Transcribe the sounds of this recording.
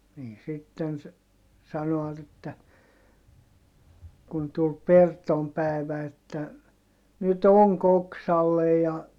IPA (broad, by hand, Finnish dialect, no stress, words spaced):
niː sitːen se sɑnoɑt etːæ kun tul pertom pæˑi̯ʋæ etːæ nyt oŋk oksɑlːej jɑ